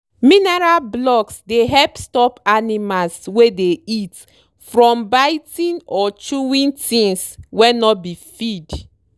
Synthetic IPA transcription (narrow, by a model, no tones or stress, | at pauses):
minɛɹalblɔksdeɦɛlpstɔpanimalswedeit | fɹɔ̃mbaɪtĩnɔt͡ʃuwĩntĩnswɛnɔbifid